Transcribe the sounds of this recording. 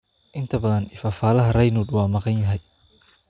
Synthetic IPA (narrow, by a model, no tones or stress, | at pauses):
ʔɪnt̪ʰɐbɐðɐnifaːfaːlɐɦɐrɐjnuːd̪wɑːmɑqɑnjɐɦɛj